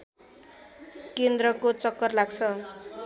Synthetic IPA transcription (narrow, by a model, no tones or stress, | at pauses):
kend̪ɾʌkot͡sʌkːʌrlaɡt͡sʰʌ